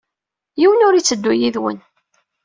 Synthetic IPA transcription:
jiwənʊɾit͡sːəd̪ːujiðwə̰n

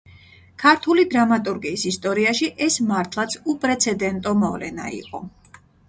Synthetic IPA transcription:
kʰaɾt̪ʰulid̪ɾamat̪ʼuɾɡiːsist̪ʼɔɾiaʃiʔɛsmaɾt̪ʰlˠat̪sʰupʼɾɛt̪sʰɛd̪ɛnt̪ʼɔmɔvlɛ̰na̰ḭqʼɔ

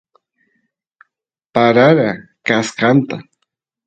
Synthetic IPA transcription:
paɾaɾakaskant̪a

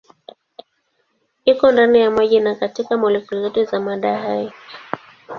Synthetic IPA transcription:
ikɔndanijamaʄinakatikamɔlikulizɛtuzamaɗaɦai

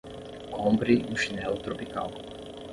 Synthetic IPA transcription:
ɔmbɾiʔuʃnɛlt̪ɾɔpika̰l

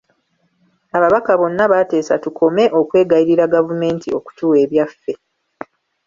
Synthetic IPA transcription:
aβaβakaβo̞nːaβate̞ːsatukʰo̞me̞ʔo̞kwe̞ːɡaiɾiɾaɡavume̞ːntio̞ku̥tuːwe̞ːβjafːe̞

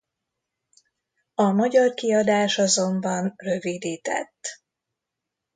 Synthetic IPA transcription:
ɒmɒɟɒrkiɒd̪aːʃɒzo̞mbɒnrø̞vid̪iːt̪ɛ̰t̪ː

